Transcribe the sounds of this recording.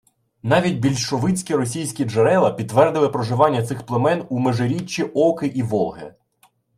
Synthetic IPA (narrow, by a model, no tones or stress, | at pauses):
nɑʋʲitʲbʲilʲʃɔʋɪt͡sʲkʲiɾɔsʲijsʲkʲid͡ʒeɾɛlˠɐpʲid̪̚ːʋɛrd̪ɪlˠɪpɾɔʒɪʋɑnʲːɐt̪sɪxplˠemɛnumeʒeɾʲit͡ʃːiʔɔkɪʔiʋɔlˠɦḛ